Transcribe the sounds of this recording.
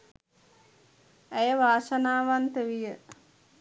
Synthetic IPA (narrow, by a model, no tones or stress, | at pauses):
æjəʋaːsanaːʋant̪əʋijə